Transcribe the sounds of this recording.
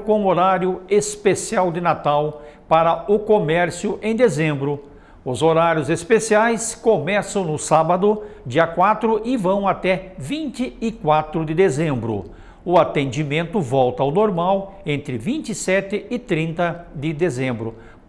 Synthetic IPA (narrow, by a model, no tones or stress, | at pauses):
kõoɾaɾjʊespesiawd̪ɪnat̪awpaɾɐʊkomɛɾsjʊʔẽj̃d̪ezẽmbɾʊ | ʊzoɾaɾjʊzespesiajskomɛsɐ̃w̃nʊsabɐd̪ʊd͡ʒiɐkwat̪ɾʊʔɪvɐ̃w̃at̪ɛvĩnt͡ʃ̪ɪɪkwat̪ɾʊd̪ɪd̪ezẽmbɾʊ̰ | ʊat̪ẽnd͡ʒimẽnt̪ʊvɔwt̪ɐawnoɾmaw | ẽnt̪ɾɪvĩnt͡ʃ̪ɪsɛt̪ɪɪt̪ɾĩnt̪ɐd̪ɪd̪ezẽmbɾʊ